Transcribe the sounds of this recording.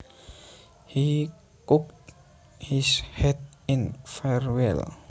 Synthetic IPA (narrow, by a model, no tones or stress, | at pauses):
hi | kʊkt | hɪshɛdɪ̃nfɛɹwɛ̰l